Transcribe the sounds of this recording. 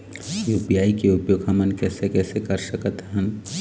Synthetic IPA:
juːpijaːikeʊpjoːɡɦɐmənkɛːsekɛːsekɐɾsɐkət̪ɦɛ̃n

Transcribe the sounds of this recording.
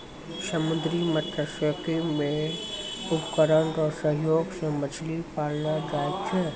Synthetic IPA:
səmʊd̪ɾimət̪əsəkemẽ | ʊpkəɾəntɔsəɦjoːɡsemət͡ʃʰlipaːlnad͡ʒaːekt͡ʃʰɛː

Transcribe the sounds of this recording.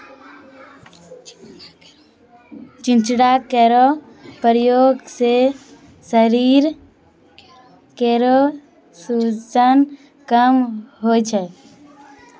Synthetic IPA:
t͡ʃĩnt͡ʃɽakeɾɔ | pəɾjoɡse | səɾiɾ | keɾo | sut͡ʃən | kəmɦot͡ʃʰɛ

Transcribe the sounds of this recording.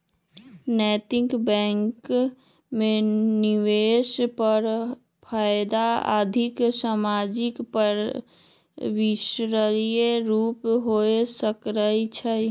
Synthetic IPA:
nɛːt̪ɪŋkbɛ̃ːŋk | mẽniʋeːʃpəɾ | pʰaːjd̪aa̰ːd̪ʱɪksaːmad͡ʒɪkpəɾ | wɪʃɾəlijeɾuːpɦoesəkɾəit͡ʃʰə

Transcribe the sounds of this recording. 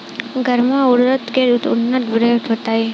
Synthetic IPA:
ɡʱəɾmãʊɽɾət̪keɾut̪ʊnːət̪bɾeːʈ̪ot̪ae

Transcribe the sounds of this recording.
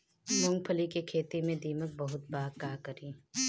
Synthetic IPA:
mʊ̃ŋɡ̚pʰəlikekʰeːt̪imẽd̪iːmək̚bɐɦʊt̪̚baːkaːkəɾiː

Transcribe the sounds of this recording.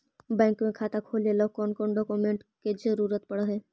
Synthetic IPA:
bɛ̃ːŋkmẽkʰaːt̪akʰoːlelɔːkɔːnkɔːnɖɔːkumẽːɳʈked͡ʒəɾuːɾət̪̚pɐɽɦɛː

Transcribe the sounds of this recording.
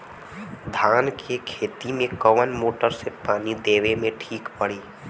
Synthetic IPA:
d̪ʱaːnkʰekʰeːt̪imẽkəʋənmoːʈəɾsepaːnid̪eːʋemẽʈʰiːkpəɽ̤iː

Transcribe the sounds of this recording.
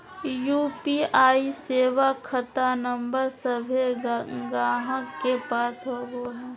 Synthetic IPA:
juːpiaːiseːʋakʰːɐt̪anə̃mbəɾsəbʱeɡaːɦəkːepaːsɦoɡoɦɛː

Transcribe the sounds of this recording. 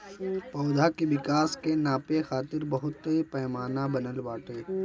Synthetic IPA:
pɐːd̪ʱakibɪkaːskenaːpexaːt̪ɪɾbɐɦʊt̪ːipɛːmaːnabɐnəlbaːʈeː

